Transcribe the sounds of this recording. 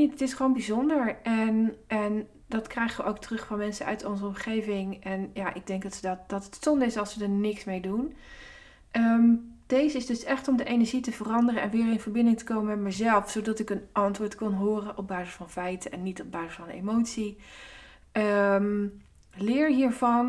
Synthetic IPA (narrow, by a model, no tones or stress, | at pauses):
itətɪsχəʋownbizɔndəɹʔɛnɛn | dɑtkrɛjχəʋəʔowk̚trɵχfɑnmɛnsəœ̰ɥtɔnzəɔmχejvɪŋʔɛnjaːʔɪɡ̚dɛŋɡ̚dɑtədɑtd̥ɑtətstɔndəɪsɑlˠsʋədəɹnɪksmejdun | ʔəmd̥ejzəɪzdɵsɛχtɔmdəʔejnəɹʒitəvərɑndərəɛnʋɪːɹɪnvəɹbɪndɪŋtə̥kowməmɛtməzɛlˠfsowdɑtɪkənʔɑntʋʊːɹtkɔnɦʊːrənʔɔb̚baːzɪsfɑnfɛjtəɛnːitɔb̚baːzɪsfɑnḛmowtsi | əm | lɪːɹɦiːɹvɑn